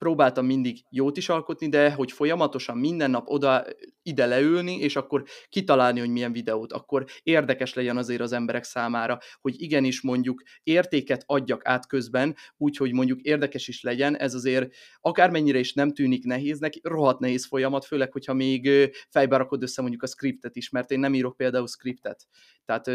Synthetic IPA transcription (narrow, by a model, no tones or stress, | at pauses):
pɾoːbaːlt̪ɒmːind̪iɡjoːt̪iʃɒlko̞t̪nid̪ɛɦo̞cfo̞jɒmɒt̪o̞ʃɒmmind̪ɛnːɒpo̞d̪ɒ | id̪ɛlɛylniʔeːʃɒkːo̞rkit̪ɒlaːlniho̞ɟmijɛɱvid̪ɛoːt̪ɒ̰kːo̞ɾeːrd̪ɛkɛʃlɛɟɛnɒzeːɾɒzɛmbɛɾɛksaːmaːɾɒho̞ɟiɡɛniʃmo̞ɲɟuk | eːrt̪eːkɛt̪ɒɟːɒkaːt̪kø̞zbɛnuːcho̞ɟmo̞ɲɟukeːrd̪ɛkɛʃiʃlɛɟɛnɛ̰zɒzeːɾ | ɒkaːrmɛɲːiɾɛeːʃnɛmt̪yːniknɛɦeːznɛkro̞ɦɒt̪nɛɦeːsfo̞jɒmɒt̪føːlɛkho̞chɒmeːɡfɛjbɛɾɒko̞d̪øsːɛmo̞ɲɟukɒskrip̚t̪ɛt̪iʃmɛrt̪eːnːɛmiːɾo̞k̚peːld̪aːulskript̪ɛt̪ː | ɛːt̪